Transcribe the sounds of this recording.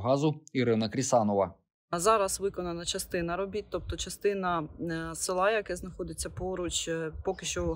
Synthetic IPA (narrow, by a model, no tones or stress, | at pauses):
ɦɑzʊiɾɪnɐkɾʲisɑnɔʋɐ | zɑɾɐsʋɪkɔnɐnɐt͡ʃɐst̪ɪnɐɾɔbʲit̪̚ʲt̪ɔp̚t̪ɔt͡ʃɐst̪ɪnɐsɪlˠɑjɐkɛznɐxɔd̪ɪt͡sʲːɐpɔɾʊt͡ʃpɔkɪʃt͡ʃɔ